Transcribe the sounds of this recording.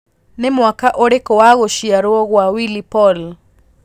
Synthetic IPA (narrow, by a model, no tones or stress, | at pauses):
nemwakaʔoɾekɔwaɣoʃiaɾoɔɣwawilipɔl